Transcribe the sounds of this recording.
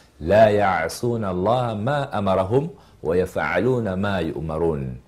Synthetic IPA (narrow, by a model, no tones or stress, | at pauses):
laːjaʕɪsˤuːnalˤːɑːhmaːʔamɑɾˤɑɦʊm | wajafʕa̰luːnamaːjʊ̰ʔmɑɾˤuːn